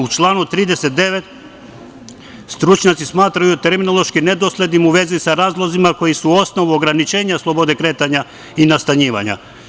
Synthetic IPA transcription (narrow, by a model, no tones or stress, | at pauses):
ut͡ʃlˠaːnut̪ɾiːd̪ese̞t̪̚d̪e̞ʋe̞t̪ | st̪ɾut͡ʃɲat̪sismaːt̪ɾajut̪e̞ɾminolˠoʃkine̞d̪oslʲe̞d̪nimuʋe̞zisaɾaːzlˠozimako̞jisuo̞sno̞ʋuoɡɾanit͡ʃe̞ːɲaslˠo̞bo̞d̪e̞kɾet̪aɲa | inast̪aɲiːʋa̰ɲa̰